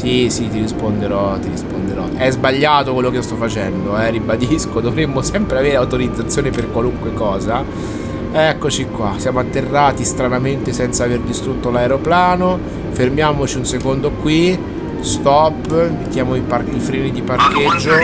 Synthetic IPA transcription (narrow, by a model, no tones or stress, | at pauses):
sisit̪iɾispond̪eɾɔt̪iɾispond̪eɾɔʔɛzbaʎːaːt̪okwelːokeiost̪ɔfːat͡ʃɛnd̪oɛrːibad̪iskod̪ovɾemːosɛmpɾeaveːɾeawt̪oɾid̪zːat̪sːjoːneperkwaluŋkwekɔːza | ɛkːot͡ʃikwasjaːmoat̪ːerːaːt̪ist̪ɾanament̪esɛnt̪saːverd̪ist̪ɾut̪ːolaeɾoplaːno | fermjaːmot͡ʃiunsekond̪okwi | st̪ɔpːimet̪ːjaːmoiparifɾɛːnid̪iparked͡ʒːo